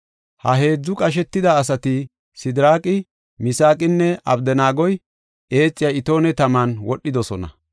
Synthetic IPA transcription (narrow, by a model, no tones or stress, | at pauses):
hɐɦe̞ːd͡zːʊkʼɐʃ̬ɛt̪ːɪd̪ɐːs̬ɐt̪ɪ | sɪd̪ɾaːkʼɪ | mɪsaːkʼɪnːɛʔɐ̰bd̪ɛnaːɡɔj | ʔe̞ːt͡sʼːɪjaɪt̪o̞ːnɛt̪ɐmanwɔɗːɪd̪ɔsɔnɐ̰